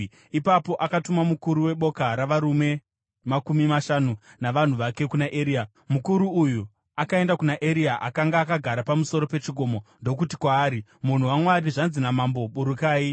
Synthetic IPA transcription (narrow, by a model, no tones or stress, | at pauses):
ipapo̞ʔakatumamukuɾuwe̞ɓo̞kaɾaʋaɾume̞ | makumimaʃanunaʋan̤uʋake̞kunaʔeɾiːa | mukuɾuuju | akae̞ndakunaʔe̞ɾiaʔakaŋɡaːkaɡʱaɾapamuso̞ɾo̞pe̞t͡ʃiɡʱo̞mo̞ndo̞k̬uti̥kwaːɾimun̤uwamwaɾiʐanzinamambo̞ɓuɾukaːi